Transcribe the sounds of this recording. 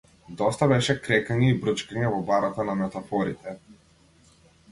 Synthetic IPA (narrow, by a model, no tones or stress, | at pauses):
d̪ɔst̪abɛʃɛkɾɛkaɲɛibɾət͡ʃkaɲɛvɔbaɾat̪anamɛt̪afɔɾit̪ɛ